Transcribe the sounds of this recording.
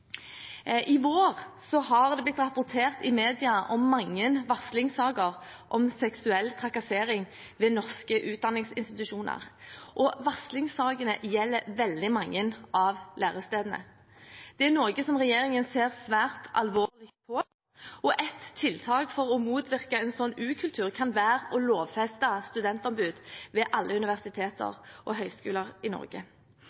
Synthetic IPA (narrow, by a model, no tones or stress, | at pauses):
ʔɪʋoːʁsɔɦɑʁd̪ɛblɪt̪ɾɑpʊʁt̪ʰeːʁt̪ɪmeːd̪ɪɑʔɔmːɑŋːənʋɑslɪŋsɑːɡəʁ | ʔɔmsɛksʉɛlt̪ʰʁɑkɑseːɾɪŋ | ʋɛːnɔʁskəʔʉːt̪̚d̪ɑnɪŋsɪ̰nst̪ɪt̪ʉʃuːnə̰ʁʔɔʋɑslɪŋsɑːɡənə̰jɛlːəʋɛld̪ɪmɑŋːənʔɑʋlʔæːʁəst̪eːd̪ənə̰ | d̪̥ɛænɔʁɡəsɔmʁɛjeːɾɪŋənseːʁsʋæːʁt̪ʰɑ̰lʋoːlɪkt̪̚pʰɔ | ɔʔɛt̪ʰːɪlt̪ʰɑːɡfɔʁɔmuːt̪ʰʋɪʁkɑɛnsɔnːʉːkʰʉlt̪ʰʉːʁkʰɑnʋæːʁɔloːʋfɛst̪əst̪ʉd̪ɛnt̪ɔmbʉːd̪ʋɛʔɑlːəʉnɪʋæʁsɪt̪ʰeːt̪ə̰ʁʔɔɦœʏskʉːləʁɪnɔ̰ʁɡə̰